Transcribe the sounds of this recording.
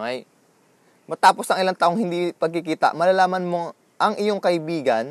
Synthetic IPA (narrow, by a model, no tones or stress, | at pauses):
ŋɐj | mɐt̪aːpo̞sɐŋʔɪlant̪aʔoŋhɪnd̪ipɐɡ̚kɪkiːt̪ɐ̰ʔmɐlalaːmɐnmo̞ | ʔɐŋʔɪjoŋkɐʔɪbiːɡɐn